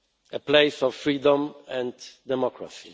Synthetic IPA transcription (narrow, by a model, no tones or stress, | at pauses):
əpleɪsɔv̥fɹid̪ɔ̃mɛ̃ndd̪ɛmɔkɹa̰si